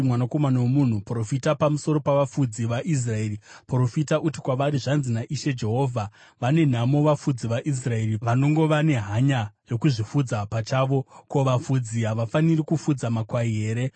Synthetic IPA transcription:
mwanako̞manawemun̤upro̞fitapamuso̞ɾo̞paʋafud͡ziʋaʔis̬rae̞ːripro̞fitaʔuti̥kwaʋaɾiʐanzinaʔiʃe̞d͡ʒe̞ɦo̞ːvʱa | ʋane̞n̤amo̞ʋafud͡ziʋaʔis̬rae̞ːriʋano̞ŋɡo̞ʋane̞ɦaɲajo̞kuʐifud͡zapat͡ʃaːʋo̞ko̞ʋafud͡ziɦaʋafanirikufud͡zamakwaiɦe̞ːɾe̞

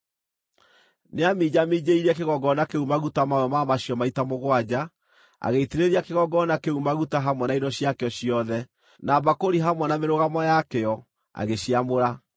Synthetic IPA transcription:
neamid͡ʑamid͡ʑeiɾiɛkeɣɔɡɔnakeumaɣutamawɛmamaɕiɔmaitamoɣwad͡ʑa | a̰ɣeiteɾeɾiakeɣɔɡɔnakeumaɣutaɦamwɛnainɔɕiakeɔɕijɔðɛ | nabakoɾiɦamwɛnameɾoɣamɔjakɛɔ | a̰ɣeɕiamoɾa

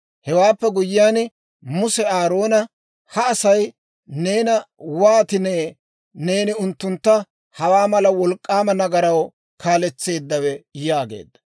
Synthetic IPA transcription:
hɛwaːpːɛɡʊjːɪjaːn | mʊsɛaːɾo̞ːnɐ | hɐːsɐj | ne̞ːnɐwaːt̪ɪneː | ne̞ːnɪʊnt̪ːʊnt̪ːɐ | hɐwaːmɐlɐwɔlkʼːaːmɐnɐɡɐɾɐw | kaːlɛt͡sːe̞ːd̪ːɐwɛjaːɡḛːd̪ːɐ̥

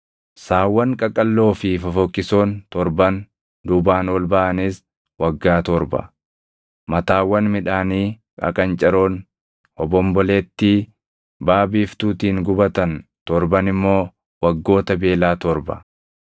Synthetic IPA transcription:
saːwːɐŋkʼɐkʼːɐlːo̞ːfɪfɐfɔkːɪso̞ːnt̪ɔɾbɐn | d̪ʊbaːnwɔlbɐʔɐnɪs | wɐɡːaːt̪ɔɾbɐ̰ | mɐt̪aːwːɐnmɪᶑaːniː | kʼɐ̰kʼɐnt͡ʃʼɐɾoːn | ɔbɔmbɔleːt̪ːiː | baːbiːft̪uːt̪iːŋɡʊbɐt̪ɐnt̪ɔɾbɐnɪmːo̞ː | wɐɡːo̞ːt̪ɐbe̞ːlaːt̪ɔɾbɐ̰

